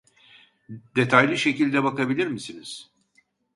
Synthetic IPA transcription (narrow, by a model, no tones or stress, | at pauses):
d̪e̞t̪ʰajlʲiʃe̞cilʲd̪ɛbakabilʲiɾmisiniz̥